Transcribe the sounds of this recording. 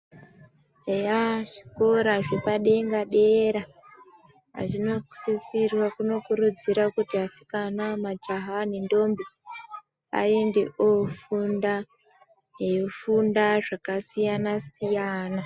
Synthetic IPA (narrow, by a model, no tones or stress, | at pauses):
ejaʐi̥ko̞ɾaʐepaɗe̞ŋɡaɗeɾa | a̰ʐino̞̥sisirwakuno̞kuɾud͡ziɾakutiasi̥kanamad͡ʒaɦanindo̞mbi | a̰endeʔofunda | jeofundaʐakasijanasijaːna